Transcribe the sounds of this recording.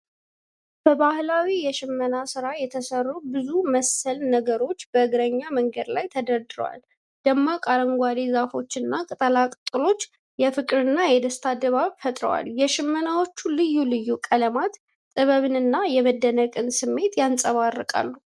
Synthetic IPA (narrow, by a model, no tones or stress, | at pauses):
b̥əbahlawijɛʃɪmːənasɨɾajɛt̪ʰəsərːubɨzuməsəlnəɡəɾo̞t͡ʃːbəɨɡɾəɲːaməŋɡəd̪lajt̪ʰəd̪əɾd̪ɨɾəwa̰l | d̪̥əmːakʼaɾəŋɡʷad̪izafo̞t͡ʃːɨnːakʼɨt̪ʼəlakʼɨt̪ʼɨlo̞t͡ʃː | jɛfɨkʼɨɾɨnːajɛd̪əst̪ʰad̪əβaβfət̪ʼɾə̰wa̰ljɛʃɪmːənawo̞t͡ʃːulɨjːulɨjːukʼələmat̪ | t̪ʼɨβəβɨnɨnːajɛməd̪ːənəkʼɨnsɨmːe̞t̪jansʼəβarːəkʼa̰lːu